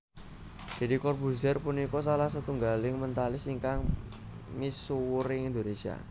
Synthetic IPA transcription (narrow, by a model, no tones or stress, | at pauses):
d̥ɛ̤dikɔrpusɛrpunikɔs̬alahsat̪uŋɡalɪŋmənt̪alɪsiŋkaŋ | misuwɾɪŋind̪onesia̰